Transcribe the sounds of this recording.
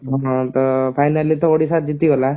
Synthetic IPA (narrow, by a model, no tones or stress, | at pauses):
ɦɔ̃ɦɔ̃t̪ɔpʰajnalːit̪ɔoɽisat̪̚d͡ʒit̪iɡɔla